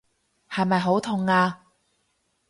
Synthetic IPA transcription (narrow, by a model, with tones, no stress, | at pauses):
hɐ˨jmɐ˨jɦo˨˥wt̪ʰʊ˨˧ŋaː˧